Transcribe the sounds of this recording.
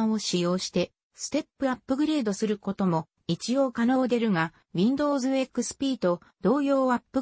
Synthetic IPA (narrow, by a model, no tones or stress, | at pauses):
o̞ɕijo̞ːɕi̥t̪e̞ | sɨ̥t̪e̞pːɯ̟apːɯ̟ɡɯ̟ɾe̞ːd̪o̞sɨɾɯ̟ko̞t̪o̞mo̞ | it͡ɕijo̞ːkano̞ːd̪e̞ɾɯ̟ɡa | βʲĩnd̪o̞ːzɨekɯ̟sɨ̥pʲiːt̪o̞ | d̪̥o̞ːjo̞ːapːɯ